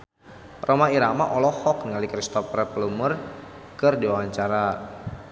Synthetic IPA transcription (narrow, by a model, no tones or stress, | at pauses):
rʔomaiɾama̰ʔɔlɔhɔk̚nəŋalikɾist̪ɔprɛplumər | kɨrdiwawaɲt͡ʃaɾa